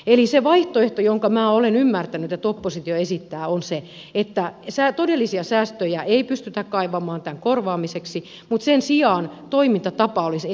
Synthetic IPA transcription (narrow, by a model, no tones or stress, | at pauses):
eliseʋɑiht̪oeht̪ojoŋkɑmæːolenymːært̪ænyet̪ːeæt̪opːosit̪ioesit̪ːæːonse | et̪ːæsæt̪odelːisiɑsæːst̪øjæʔeipyst̪yt̪ækkɑiʋɑmɑːnt̪æŋkorʋɑːmiseksi | mut̪sensiɑːnt̪oimint̪ɑt̪ɑpɑolis